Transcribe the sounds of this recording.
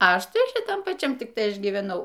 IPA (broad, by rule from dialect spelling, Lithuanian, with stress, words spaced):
ˈɐʃ ˈtɐɪ ʃʲɪˈtɐm pɐˈt͡ʃʲɛm ˈtʲɪk ˈtɐɪ ˈɐʃ ɡʲiːʋʲɛˈnɐʊ